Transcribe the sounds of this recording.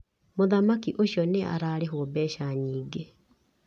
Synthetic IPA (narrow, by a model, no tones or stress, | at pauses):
moðamakiʔoɕjɔnea̰ɾaɾeɦwɔbɛʃaɲiːɡe